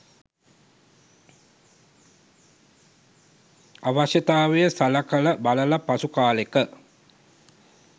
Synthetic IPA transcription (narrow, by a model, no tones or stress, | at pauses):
aʋaʃət̪aːʋejəsalakələbaləlapasukaːlekə